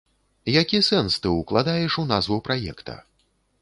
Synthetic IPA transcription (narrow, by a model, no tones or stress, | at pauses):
jakʲisɛnst̪ɨuklˠad̪ajɛʂunazvupɾajɛ̰kt̪ʰɐ̰